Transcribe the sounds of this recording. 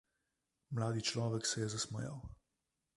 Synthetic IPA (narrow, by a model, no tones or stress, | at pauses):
mlaːd̪it͡ʃlɔːʋɛksɛjɛzasmɔ̰ja̰w